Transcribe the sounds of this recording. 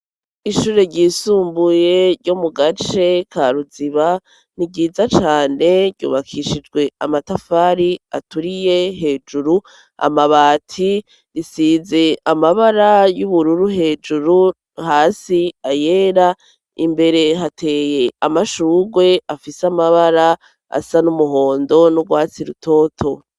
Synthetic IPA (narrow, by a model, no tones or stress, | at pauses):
iʃuːɾe̞ɾɟiːsuːmbuje̞ɾɟomuɡat͡ʃe̞kʰaɾuziβa | niɡɟiːzat͡ʃaːne̞ɟɟṵːβakʰiʃid͡ʒɡwe̞amatafaːɾia̰tuɾije̞ɦe̞ːd͡ʒuɾu | a̰maβaːtʰi | ɾisiːze̞amaβaɾajuβuɾuɾuɦe̞ːd͡ʒuɾu | haːsiaje̞ːɾa | ḭmbe̞ɾe̞ɦatʰe̞ːje̞amaʃuːɡwe̞afisamaβaɾa | a̰sanumuɦo̞ːndo̞nubɡwaːt͡siɾutʰo̞ːtʰo̞